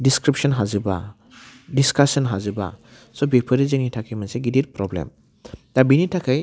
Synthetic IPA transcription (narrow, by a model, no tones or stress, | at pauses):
diskɾipsɔnɦazɯba̰ | diskasɔnɦazɯba̰ | sɔbepʰɯɾizɯŋitʰakʰɯjmanseɡidiɾpɾɔblḛm | d̪abinitʰakʰaj